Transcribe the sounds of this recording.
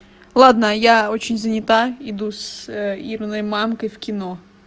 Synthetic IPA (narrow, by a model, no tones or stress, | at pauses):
lˠɑd̪nɐjaot͡ɕɪnʲzɐnʲɪt̪aid̪usiɾnɔjmɑmkɐjwkʲɪno